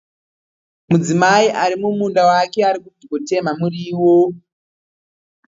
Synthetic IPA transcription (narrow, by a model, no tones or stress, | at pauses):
mud͡zimaiʔaɾimumundawake̞aɾikud͡ziɡote̞mamuriːwo